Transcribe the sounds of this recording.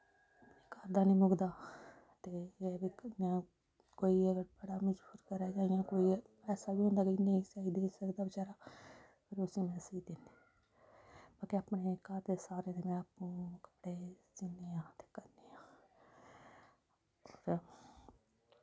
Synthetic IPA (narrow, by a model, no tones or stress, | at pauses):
neːkaːɾd̪aːnĩːmʊɡd̪aː | t̪eːbiãː | koːiːbəɽaːmɪd͡ʒbuːɾkəɾaːd͡ʒaːɪjãːkoːipɛːsaːbiːɦʊ̃nd̪aːkineĩːsaːiːd̪eːsəkd̪aːbət͡ʃaːɾaː | pʰɪɾʊsĩːmɛːsiːd̪end̪iː | baːkeapneːkaɾd̪eːsaːɾeːd̪eːmɛ̃ːəpũːkə̥pɽeːd͡ʒɪnːeːãːt̪e̥ːkəɾneːãː